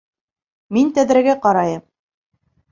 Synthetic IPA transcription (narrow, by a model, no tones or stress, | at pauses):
mint̪æðɾæɡæqɑɾɑjɤm